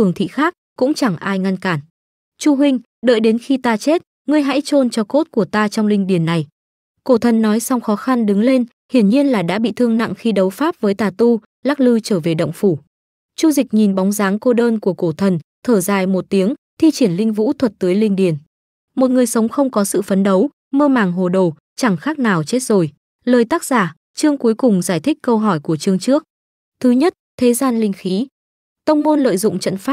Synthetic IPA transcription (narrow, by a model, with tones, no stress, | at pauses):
ɨ˧˩əŋt̪ʰḭ˧˨xaː˦˥k̚kʊ̰˧˥ŋ͡mt͡ɕa˧˩ŋʔaː˧jŋa˧nkaː˧˩n | t͡ɕu˧ɦwï˧ŋ̟ | ɗə̰ː˧˨jɗe˨˦nxi˧t̪aː˧t͡ɕe˦˥t̚ | ŋɨ˧əjɦa̰ː˧˥jt͡ɕo˧nt͡ɕɔ˧ko˦˥t̚ku˧˩ət̪aː˧t͡ɕɔ˧wŋ͡mlï˧ŋ̟ɗi˧˩ənːa˨˩j | ko˧˩t̪ʰə˨˩nːɔ˨˦jsa˧wŋ͡mxɔ˨˦xa˧nɗɨ˨˦ŋle˧n | hḭ˧˩ənɲi˧ənlaː˨˩ɗa̰ː˧˥ɓḭ˧˨t̪ʰɨ˧əŋna̰˧˨ŋxi˧ɗə˨˦wfaː˦˥p̚vəː˨˦jt̪aː˨˩t̪u˧ | laː˦˥k̚lɨ˧t͡ɕəː˧˩ve˨˩ɗə̰˧˨wŋ͡mfu˧˩ | t͡ɕu˧zï˨˩k̟̚ɲi˨˩nɓɔ˨˦wŋ͡mzaː˨˦ŋko˧ɗəː˧nku˧˩əko˧˩t̪ʰə˨˩nt̪ʰəː˧˩zaː˨˩jmo˨˩t̚t̪i˨˦əŋt̪ʰi˧t͡ɕi˧˩ənlï˧ŋ̟vṵ˧˥t̪ʰwə˨˩t̚t̪ɨː˨˦jlï˧ŋɗi˧˩ən | mo˨˩t̚ŋɨ˨˩əjsə˨˦wŋ͡mxə˧wŋ͡mkɔ˨˦sɨ̰˧˨fə˨˦nɗə˨˦w | məː˧maː˨˩ŋɦo˨˩ɗo˨˩ | t͡ɕa˧˩ŋxaː˦˥k̚naː˨˩wt͡ɕe˦˥t̚zo˨˩j | ləː˨˩jt̪aː˦˥k̚z̥aː˧˩ | t͡ɕɨ˧əŋku˨˦əjkʊ˨˩ŋ͡mzaː˧˩jt̪ʰï˦˥k̟̚kə˧wɦɔ˧˩jku˧˩ət͡ɕɨ˧əŋt͡ɕɨ˦˥ək̚ | t̪ʰɨ˨˦ɲə˦˥t̚t̪ʰe˨˦zaː˧nlï˧ŋ̟xi˨˦ | t̪ə˧wŋ͡mmo˧nlə̰ː˧˨jzʊ̰˧˨ŋ͡mt͡ɕə̰˧˨nfaː˦˥p̚